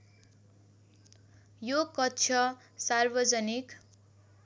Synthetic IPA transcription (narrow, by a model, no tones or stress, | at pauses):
jokʌtːt͡sʰʌ | sarbʌd͡zʌnik